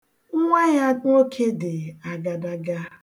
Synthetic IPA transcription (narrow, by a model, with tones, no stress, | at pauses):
ŋ̩˦ŋʷa˦ɲa˦to˦kʰe˦dɪ˨a˨ɡa˨da˦ɡa˦